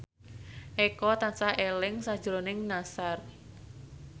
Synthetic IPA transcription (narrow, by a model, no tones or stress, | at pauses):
ʔɛkɔt̪ansahelɪŋsḁʒ̥ɾonɪŋnasar